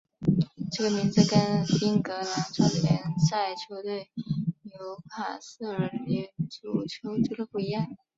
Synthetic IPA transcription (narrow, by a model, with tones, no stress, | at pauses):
ʈ͡ʂɤ˥˩ɡə˩mi˧˥nd͡zɹ̩˧kə˥nfi˥nkɤ˧˥la˧˥ʈ͡ʂʰɑ˥˩d̪jɛ˧˥nsa˥˩ɪt͡ɕʰjo˧˥ʊt̪we˥˩ɪjo˧˥ʊpʰa̰˨˩sɹ̩˥˩ə˧˥i˧˥ʈ͡ʂu˨˩t͡ɕʰjo˧˥ʊt͡ɕo˥˩ə˧˩pu˥˩i˧˥jɑ˥˩ŋ